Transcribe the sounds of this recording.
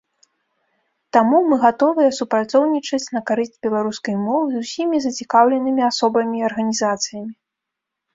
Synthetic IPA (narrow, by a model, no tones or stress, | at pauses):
t̪amumɨɣat̪ɔvɨjɛsupɾat̪sɔwnʲit͡ʂɐt͡sʲnɐkaɾɨzʲd͡zʲbʲɛlˠaɾuskɐjmɔvɨzusʲimʲizɐt͡sʲikawlʲɛnɨmʲiasɔbɐmʲiɐrɣɐnʲizat̪sɨjɐmʲi